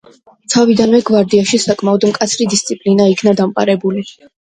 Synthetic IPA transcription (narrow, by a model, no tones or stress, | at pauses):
t̪sʰavid̪anmɛɡvaɾd̪iaʃisakʼmaɔd̪mkʼat̪sʰɾid̪ist̪sʼipʼlinaikʰnad̪amqʼa̰ɾɛbuli